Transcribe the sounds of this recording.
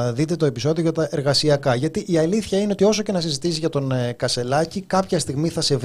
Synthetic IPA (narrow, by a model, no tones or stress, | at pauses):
ðit̪̬e̞t̪o̞e̞piso̞ðioʝɐt̪ɐʔe̞ɾɣɐsiɐkɐʝɐt̪iʔiɐliθçɐine̞o̞t̪io̞so̞ce̞nɐsizit̪isiʝɐt̪o̞nkɐse̞lɐcikɐpçɐst̪iɣmiθɐse̞v